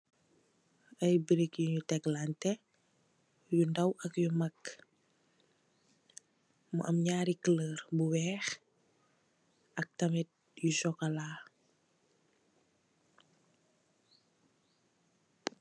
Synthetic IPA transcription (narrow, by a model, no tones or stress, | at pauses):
ɐjbiɾikjuɲutɛklantɛ | jundɐwʔɐkjumak | mṵʔɐmɲaːɾikələːɾbuwɛːx | ɐk̚tɐmɛt̚ | jusɔkalaː